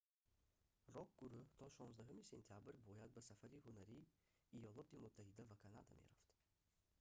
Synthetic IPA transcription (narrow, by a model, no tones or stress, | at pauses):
rɔɡ̚ɡuɾuht̪ʰɔʃɔnzd̪aɦumise̞̰nt̪ʰijabɾbɔjad̪̚basafaɾihunaɾiː | jɔlˠɔt̪imʊt̪ʰːahid̪avakʰanad̪a̰mḛɾaft̪